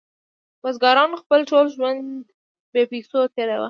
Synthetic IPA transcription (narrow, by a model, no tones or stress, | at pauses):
wazɡɑɾɑnxpəlʈolʒwand̪d̪ | bepisot̪eɾawa̰